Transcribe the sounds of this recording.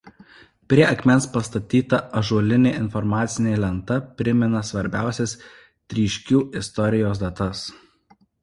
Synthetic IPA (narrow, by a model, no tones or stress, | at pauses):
pʲɾʲiɛɐkʲmʲɛnspɐst̪ɐt̪ʲiːt̪ɐɐʒuɔlʲɪnʲeːɪnfɔɾmɑːt̪sʲɪnʲeːlʲɛnt̪ɐpʲɾʲɪmʲɪnɐsʋɐɾʲbʲæˑʊsʲɛs | t̪ʲɾʲiːʃʲkʲuːɪst̪ɔɾʲɪjoːs̬d̪ɐt̪ɐs